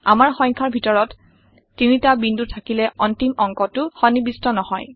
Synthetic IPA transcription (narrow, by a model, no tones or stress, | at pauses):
amaɹxɔjɲkʰaɹbʱitɔɹɔtː | initabindutʰakilɛɔntimɔŋkɔtʊxɔnibistɔnɔhɔj